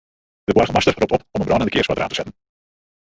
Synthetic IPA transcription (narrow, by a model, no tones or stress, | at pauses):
d̥əwɑrχəmɑstərɔptɔpɔmənbrɑːnəndəkɪːɹsʋaːdəɾʔa̰ːntə̥zɛtən